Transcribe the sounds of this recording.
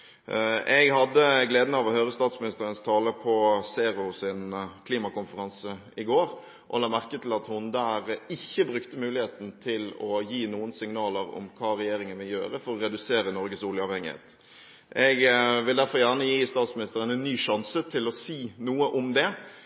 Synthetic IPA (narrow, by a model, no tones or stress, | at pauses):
ɛɡhɑd̪ːəɡleːd̪ənəɑʋɔhøːɾəst̪ɑːt̪smɪnɪst̪əɾənst̪ʰɑːləpʰɔseːɾʊsɪnkʰliːmɑkʊnfəɾɑnsə | ɪɡoːɾ | ʔɔ̰lɑːmæʁkət̪ʰɪlɑt̪hʊnd̪æːɾɪçːəbɾʉkt̪əmʉːlɪheːt̪n̩t̪ʰɪlɔjiːnuːənsɪŋnɑːləɾɔ̰mkʰɑːɾɛjeːɾɪŋənʋɪljø̰ːɾəfɔɾɔɾɛd̪ʉseːɾənɔɾɡəsuːljəɑʋhɛŋːɪhḛːt̪ | ɛɡʋɪld̪æɾfɔɾjæʁnəjiːst̪ɑːt̪smɪnɪst̪əɾənɛnːyːʂɑnsət̪ʰɪlɔsiːnuːəʔɔmd̪ɛ